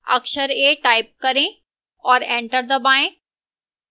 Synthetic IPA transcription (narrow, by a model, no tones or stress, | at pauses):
ɐ̰kʃəɾeːʈaːɪp̚kɐɾẽ | ɔːɾẽːɳʈəɾd̪ɐbaːẽ